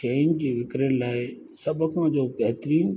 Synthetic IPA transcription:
eːnd͡ʑiːʋɪkɾənɪ̆laːɪ | sɐbʱkãd͡ʑoːpɐɦɪt̪ɾiːn

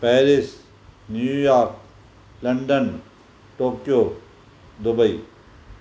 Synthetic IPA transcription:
pɛːɾɪs | njuːjaːɾk | lɐ̃ɳɖən | ʈoːkjoː | d̪ʊbəi

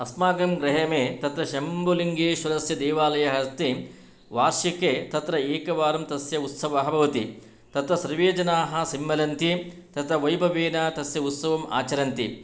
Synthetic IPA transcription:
ɐsmaːɡɐmɡɾɐɦɐmeːt̪ɐt̪ɾɐʃɐmboliŋɡeːʃʋɐɾɐsjɐd̪eːʋaːlɐjɐɦɐst̪i | ʋaːɾʃikeːt̪ɐt̪ɾɐeːkɐʋaːɾɐmt̪ɐsjɐut̪sɐʋɐɦɐbʱɐʋɐt̪ḭ | t̪ɐt̪ɾɐsɐɾʋeːd͡ʒɐnaːɦɐsimːɐlɐnt̪it̪ɐt̪ʰɐʋɐjbʱɐʋeːnat̪ɐsjɐut̪sɐʋɐma̰ːt͡ʃɐɾɐnt̪ḭ

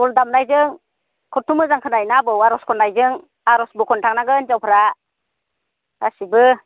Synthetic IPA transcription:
ɔldamnajzɯŋ | kʰɔtumɯzaŋkʰɯnajnabɯwaɾɔskʰɔnːajzɯŋ | aɾɔsbɯkʰɔntʰaŋnaɡɯnzawpʰɾa | a̰sibɯ

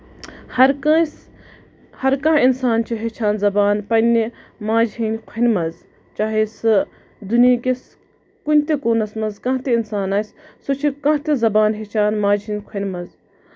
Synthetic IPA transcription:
hɐɾs | hɐɾkãːinsaːnt͡ʃʰiɦet͡ʃʰaːnzɐbaːnpɐnʲimãːd͡ʒɦinʲkʷʰenʲmɐz | t͡ʃaːɦisɨ | d̪unjiːkes | kunʲt̪ikoːnɐsmɐzkãɦt̪einsaːnaːssut͡ʃʰikɐ̃ɦt̪izɐbaːnɦet͡ʃʰaːnmãːd͡ʒɦinʲkʰenʲmɐz

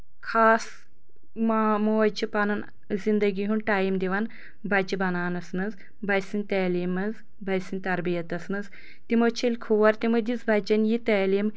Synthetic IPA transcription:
kʰaːs | mamoːt͡ʃʰipɐnɐn | zind̪ɐɡʲiɦunʈaːjimd̪ʲiʋɐn | bɐt͡ʃibɐnaːnɐsnɨz | bɐjsinʲt̪ɐːliːmɐz | bɐjsinʲt̪ɐɾbijɐt̪ɐsnɨz | t̪imot͡ʃʰelʲkʰuʋɐɾt̪imɨd̪it͡sbɐt͡ʃɐnjit̪ɐːlim

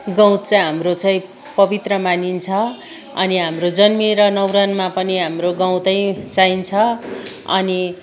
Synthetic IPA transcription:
ɡʌ̃w̃t͡sʌɦamrot͡saĩ | pʌbit̪rʌmanint͡sʰʌ | ʌ̰niɦamrod͡zʌnmiɾʌnʌwɾanmapʌniɦamroɡãw̃t̪ʌj̃t͡saint͡sʰʌʌ̰ni

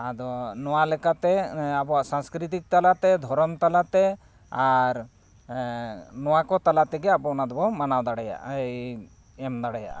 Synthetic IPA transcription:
ad̪ɔnɔwalɛkat̪ɛabɔwaʔsãŋskɾit̪̬ik̚t̪alat̪ɛd̪ʱɔɾɔmt̪alat̪ɛ | aɾ | nɔwakɔt̪alat̪ɛɡɛabɔnad̪ɔbɔmanawd̪aɽɛja̰ʔej | ɛmd̪aɽɛja̰ʔ

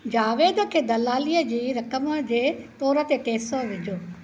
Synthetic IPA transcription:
d͡ʑaːʋeːd̪əkʰeːd̪ɐlaːliːəd͡ʑiːɾɐkəməd͡ʑeːt̪ɔːɾə̆t̪eʈeːsoʋɪd͡ʑʱoː

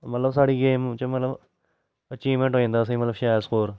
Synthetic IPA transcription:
mət̪ləbs̬aːɽiːɡeːmt͡ʃəmət̪ləb | ət͡ʃiːmẽɳʈɦoːẽːnd̪aːs̬ĩːmət̪ləbʃaːəɾskoːɾ

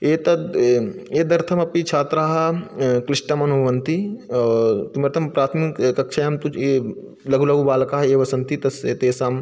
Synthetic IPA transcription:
eːt̪ɐd̪eːd̪ɐɾt̪ʰɐmɐpit͡ʃʰaːt̪ɾaːɦɐkɾɪsʈɐmɐnuʋɐnt̪i | t̪umɐɾt̪ʰɐmpɾaːt̪ʰmikkːɐkʃʰɐɐmt̪ue | lɐɡulɐɡubaːlɐkaɦɐeːʋɐsɐnt̪ʰit̪ɐseːt̪eːsaːm

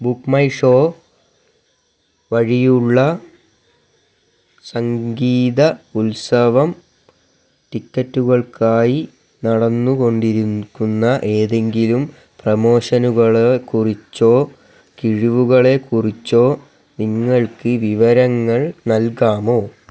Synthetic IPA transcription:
bukmɐjʂo̞ː | ʋɐɻijuɭːɐ | sɐŋɡiːðɐulsɐʋɐm | ʈikːɐtːuɣɐɭkaːji | nɐɽɐnːuko̞ɳɖiɾukːunːɐʔe̞ːðe̞ŋɡilum | prɐmo̞ːɕɐnuɣɐɭekurit͡ɕːo̞ː | kiɻiʋuɣɐɭe̞kurit͡ɕːo̞ː | niŋːɐɭkɨʋiʋɐɾɐŋːɐɭnɐlkaːmo̞ː

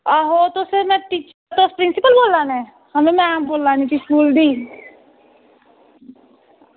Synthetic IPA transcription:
aɦoːt̪osemɛ̃ːʈiːt͡ʃət̪oːspɾɪnsɪpəlboːlːaːnɛ̃ː | həmẽːmɛ̃boːlːaːnik̪iskuːld̪iː

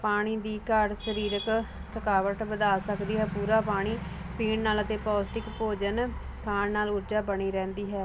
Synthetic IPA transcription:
paːɽ̃iːd̪iːkəɾsəɾiːɾək | t̪ʰəkaːʋəʈbəd̪aːsəkd̪iːɦɛːpuːɾaːpaːɽ̃iː | piːɳnaːlət̪eːpaːsʈɪkpoːd͡ʒən | kʰaːnnːaːlʊɾd͡ʒaːbəɽ̃iːɾɛ̃ːnd̪iːɦɛː

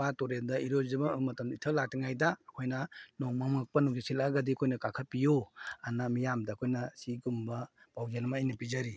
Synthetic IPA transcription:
atoɾeldɐiɾozɐbɐmɐtɐmitʰɐlatiŋajdɐːkʰojnɐnoŋmamɐk̚pɐnuɡisilaɡadikʰojnɐkakʰapijoanɐmijamdɐkʰojnɐsiɡumbɐb̥awzenmajnɐpizaɾi

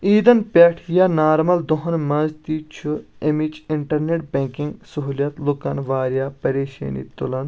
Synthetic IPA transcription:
iːd̪ɐnpʲeːʈʰijaːnaːɾmɐld̪oɦɐnmɐzt̪iːt͡ʃʰuemit͡ʃɪɳʈɐɾneʈ̚bʲẽŋkiŋɡsɐɦuːljɐt̪lukɐnʋaːɾjaːpɐɾeːʃḛːnḭt̪ulɐn

